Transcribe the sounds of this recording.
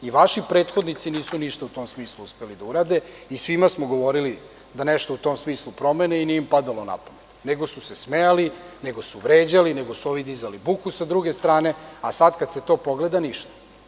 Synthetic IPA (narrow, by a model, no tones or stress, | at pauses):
iʋaʃipɾe̞ːt̪xod̪nit̪siniːsuniʃt̪aut̪o̞msmiːslˠuuspelid̪auɾaːd̪e̞isʋimasmoɡo̞ʋo̞ɾili | d̪aneʃt̪out̪o̞msmiːslˠupɾo̞meneiniimpad̪alˠo̞na̰pomet̪neɡo̞susesmejali | ne̞ɡo̞suʋɾeːd͡ʑalineɡosuo̞ʋid̪izalibukusad̪ɾuɡe̞st̪ɾaːne̞asad̪kad̪se̞t̪o̞po̞ɡled̪aniʃt̪ḁ